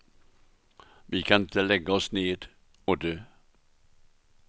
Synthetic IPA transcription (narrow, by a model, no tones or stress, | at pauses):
ʋiːkʰɑnɪt̪əlɛɡəɔsneːd̪̥ | oːd̪øː